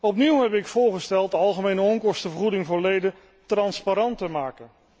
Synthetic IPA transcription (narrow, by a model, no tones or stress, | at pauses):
ɔpniwɦɛpɪkfʊːɹχəstɛlˠtdəɑlˠχəmejnəɔŋkɔɹstəvəɹχudɪŋvʊːɹlejdə | trɑnspaɾɑntəmaːkən